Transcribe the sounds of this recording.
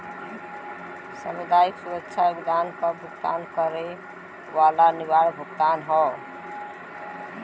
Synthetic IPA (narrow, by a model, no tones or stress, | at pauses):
səməd̪ajiksuɾətːʃʰabid̪ankəbʱukt̪a̰nkəɾe | ʋalaniβaɽbʱuɡt̪anɦɔ